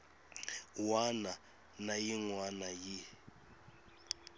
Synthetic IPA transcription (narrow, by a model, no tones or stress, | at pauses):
wana | najiŋwanaji